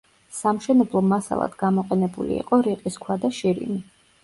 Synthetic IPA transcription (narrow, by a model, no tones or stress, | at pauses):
samʃɛnɛblˠɔmasa̰lˠa̰d̪̥ɡamɔqʼɛnɛbṵlḭḭːqʼɔɾiqʼiskʰwad̪aʃiɾḭni